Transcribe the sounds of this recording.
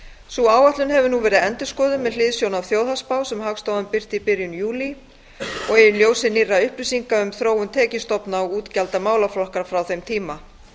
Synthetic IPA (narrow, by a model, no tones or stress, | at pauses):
suaːwaht̪lʏnɦɛvʏnuvɛːɾɪðɛnt̪ʏ̥skɔːðʏmːɛðlɪðsjownawθjowðhaspaːwsɛmɦakst̪owðʏmpɪr̥t̪ɪipɪɾjʏnjuːli | ɔɣeːjʏljoːwsɪnirːaʏhpɾʏsiŋkaʏmθɾoːwʏnt̪ʰɛːcɪst̪ɔpnaɔuːt̪calt̪amaːwlaflɔhkaɾfɾawθejmt̪ʰiːma